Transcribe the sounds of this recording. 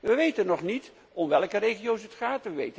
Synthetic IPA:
ʋəʋejtənːɔχnit | ɔmʋɛlˠkərejχiowsətχaːtʋəʋejt

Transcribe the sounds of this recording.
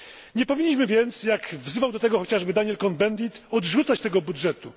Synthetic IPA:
ɲɛpɔvʲiɲːiɕmɘvʲjɛnt̪sjakvzɘvawd̪ɔt̪ɛɡɔxɔt͡ɕaʐbɘd̪aɲɛlkɔnd̪bɛnd̪it̪ɔd̪ʐut̪sat͡ɕt̪ɛɡɔbudʐɛt̪u

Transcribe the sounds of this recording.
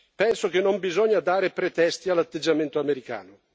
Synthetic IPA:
pɛnsok̟enːombizɔɲːad̪aːɾepɾet̪ɛst̪ialːat̪ːed͡ʒːament̪oameɾika̰ːno

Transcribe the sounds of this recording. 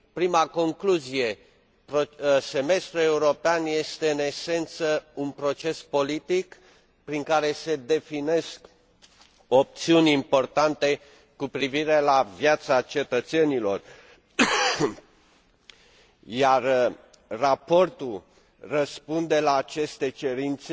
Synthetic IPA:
pɾimako̞ŋkluzije̞ | pose̞me̞st̪ɾue̞uɾo̞peanje̞st̪e̞ɨne̞se̞nt̪səunpɾo̞t͡ʃe̞spo̞lit̪ik | pɾiŋkaɾe̞se̞d̪e̞fine̞sk | o̞p̚t̪siunʲimpo̞rt̪ant̪e̞ | kupɾiviɾe̞lavjat̪sat͡ʃe̞t̪ət̪se̞nilo̞r | jar | rapo̞rt̪u | rəspund̪e̞laːt͡ʃe̞st̪e̞t͡ʃe̞ɾint̪se

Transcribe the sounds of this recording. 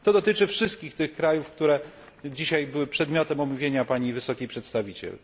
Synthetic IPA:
t̪ɔd̪ɔt̪ɘt͡ʂɘfʂɘst̪̚kʲixt̪ɘxkɾajufk̚t̪uɾɛ | d͡ʑiɕajbɘwɘpʂɛd̪mʲjɔt̪ɛmɔmuvʲjeɲapaɲivɘsɔkʲipʂɛt̪st̪avʲit͡ɕɛ̰l

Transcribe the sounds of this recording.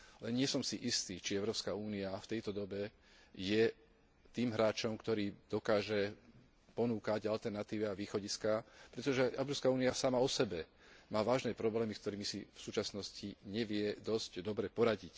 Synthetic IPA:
lɛnɲɪɛsɔmsiʔist̪iːt͡ʃiɛʊɾɔːpskauːniaft̪ɛjt̪ɔd̪ɔbɛ | jɛ | t̪iːmɦɾaːt͡ʃɔmkt̪ɔɾiːd̪ɔkaːʒɛ | pɔnuːkaɟalt̪ɛɾnat̪iːʋiaʋiːxɔɟiskapɾɛt̪ɔʒɛʔɛʊɾɔːpskauːniasamaɔsɛbɛ | maːʋaːʒnɛːpɾɔblɛːmiskt̪ɔɾiːmisifsuːt͡ʃasnɔsciɲɛʋɪɛd̪ɔzɟd̪ɔbɾɛpɔɾaɟic

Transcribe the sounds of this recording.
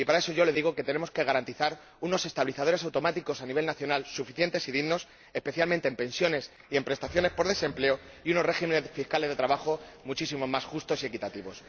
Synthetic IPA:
ipaɾae̞so̞ʝo̞le̞ðiɣo̞ke̞t̪e̞ne̞mo̞ske̞ɣ̞aɾant̪iθaɾ | uno̞se̞st̪aβliθaðo̞ɾe̞s̬awt̪o̞mat̪iko̞saniβe̞lnaθjo̞nalsufiθje̞nt̪e̞siðiɣno̞s | e̞spe̞θjalmẽnt̪empe̞nsjo̞ne̞s | ie̞mpɾe̞st̪aθjo̞ne̞spo̞ɾðe̞se̞mple̞o | iuno̞rre̞ximenefiskale̞zðet̪ɾaβaxo̞mut͡ʃis̬imo̞masxust̪o̞sie̞kit̪at̪iβo̞s

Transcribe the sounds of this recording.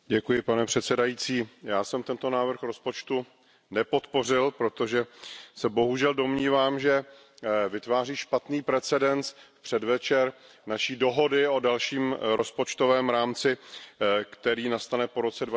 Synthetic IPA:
ɟɛkujɪpanɛpr̝̥ɛt̪sɛdajit͡siːjaːsɛmt̪ɛnt̪o̞naːvr̩xɾo̞spo̞t͡ʃt̪u | nɛpo̞t̪porɪlpɾo̞t̪o̞ʒɛsɛbo̞ɦuʒɛldo̞mɲiːvaːmʒɛ | vɪt̪vaːriːʃpat̪niːpɾɛt͡sɛdɛnt͡sfpr̥ɛdvɛt͡ʃɛɾ | naʃiːdo̞ɦo̞dɪo̞dalʃiːmɾospo̞t͡ʃt̪o̞vɛːmɾaːmt͡sɪ | kt̪ɛɾiːnast̪anɛpo̞ɾo̞t͡sɛdva

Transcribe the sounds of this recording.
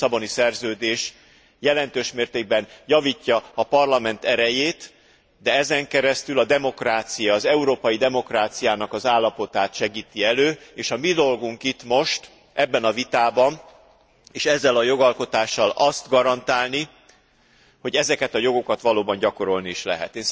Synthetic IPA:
sɒbo̞nisɛrzøːd̪eːʃ | jɛlɛnt̪øːʃmeːrt̪eːɡ̚bɛnjɒvicːɒːpɒrlɒmɛnt̪ɛɾɛjeːt̪ | d̪ɛɛzɛŋkɛɾɛst̪ylɒd̪ɛmo̞kraːt̪sijɒːzɛuɾoːpɒjid̪ɛmo̞kraːt̪sijaːnɒkɒzaːlːɒpo̞t̪aːt̪ʃɛɡiːt̪iɛløːeːʃɒmid̪o̞lɡuŋkit̪mo̞ʃt̪ | ɛbːɛnɒvit̪aːbɒn | eːʃɛzːɛlɒjo̞ɡɒlko̞t̪aːʃːɒlɒst̪ɡɒɾɒnt̪aːlni | ho̞ɟɛzɛkɛt̪ɒjo̞ɡo̞kɒt̪ʋɒloːbɒɲɟɒko̞ɾo̞lnieːʃlɛ̰ɦɛ̰t̪eːn

